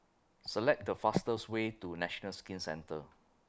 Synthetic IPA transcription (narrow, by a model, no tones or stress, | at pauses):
səlɛk̚dəfastəswetunɛʃɔnəlskĩnsɛ̰̃ntə̰